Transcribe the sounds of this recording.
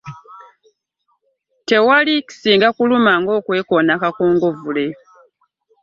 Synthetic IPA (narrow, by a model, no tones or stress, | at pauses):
te̞waliki̥siːŋɡakulumaŋɡo̞ːkwe̞ːkoːnakakoːŋɡo̞vule̞